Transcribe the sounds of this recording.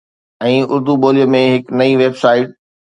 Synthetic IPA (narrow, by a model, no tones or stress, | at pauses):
ɛ̃ːʔʊɾd̪uboːlijəmẽɦɪknɐiʋeːbsaːɪʈ̚